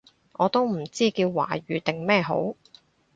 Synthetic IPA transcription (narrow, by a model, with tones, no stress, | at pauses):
ʔɔː˨˧t̪o˥wm̩˨˩t͡siː˥kiː˧wːa̰ː˨˩ɥyː˨t̪ɪ˨ŋmɛː˥˧ɦo̰˨˥w